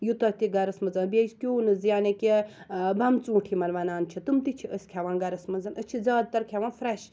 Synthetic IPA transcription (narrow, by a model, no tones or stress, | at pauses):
jut̪ɐt̪iɡɐɾɐsmɐzɐnbʲezkʲuːnɨzjaːnekʲibɐmt͡suːʈʰimɐlʋɐnaːnt͡ʃʰit̪ɨmt̪it͡ʃʰiʔəsʲkʲʰaʋaːnɡɐɾɐsmɐzɐnʔət͡ʃʰizaːd̪̚t̪ɐɾkʲʰaʋanfɾɐʃ